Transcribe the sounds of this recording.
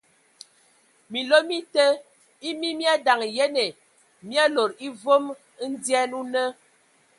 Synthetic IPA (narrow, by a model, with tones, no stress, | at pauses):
mi˨lo˦mi˦tə˦ | i˦mi˦mja˦da˨ŋje˦ne˨ | mja˦lo˨ɾi˦vo˦m˦ | n̩˦djɛ˦nu˦nə˦